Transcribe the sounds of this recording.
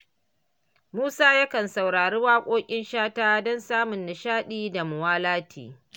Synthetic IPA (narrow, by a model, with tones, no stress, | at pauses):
muː˦saː˦ja˦kɐ˨nsa˨wɽaː˨ɽuː˦waː˦kʷʼoː˦kʲʼɪ˦nʃaː˦taː˦dɔ˦nsaː˦mʊ˨nːa˨ʃaː˦ɗiː˦da˨mʊ˨waː˦laː˦tʰḭː˨